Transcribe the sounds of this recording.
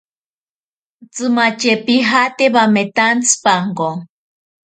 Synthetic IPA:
t͡sɨmat͡ʃepiɦat̪eβamet̪ant͡spaŋko

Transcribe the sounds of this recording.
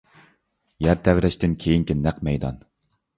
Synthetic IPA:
jæɾt̪ʰɛvɾɛʃt̪ɪnkʲʰejiŋkʲinæqmɛjd̪ɑ̰n

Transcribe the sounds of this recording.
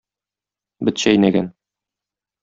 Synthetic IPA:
bɘ̆t̪ɕæjnæɡæn

